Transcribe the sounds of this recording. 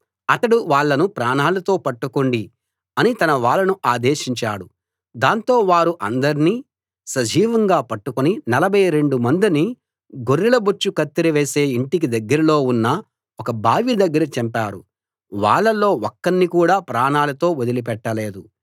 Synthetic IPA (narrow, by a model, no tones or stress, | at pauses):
ɐt̪ɐɽuʋaːɭːɐnupɾaːnaːlɐt̪o̞ːpɐʈːukoɳɖi | ɐnit̪ɐnɐʋaːɭːɐnuʔaːd̪eːʃiɲt͡ʃaːɽu | d̪aːnt̪o̞ːʋaːɾuʔɐnd̪ɐɾiniː | sɐd͡ʒiːʋɐŋɡaːpɐʈːukoninɐlɐbʱɐjɾe̞ɳɖumɐnd̪ini | ɡoɾːilɐbut͡ʃːukɐt̪ːiɾɐʋeːse̞ːiɳʈik̬id̪ɐɡːɐɾɐlo̞ːunːɐ | ɔkɐbʱaːʋid̪ɐɡːɐɾɐt͡ʃɛmpaːɾṵ | ʋa̰ːɭːɐlo̞ːɔkːɐnːikuːɽaːpɾaːnaːlɐt̪o̞ːod̪ilipɛʈːɐle̞ːd̪u